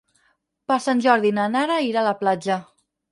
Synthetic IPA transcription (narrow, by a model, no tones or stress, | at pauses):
pasanʲʒɔɾðinanaɾaiɾalaplad͡ʒə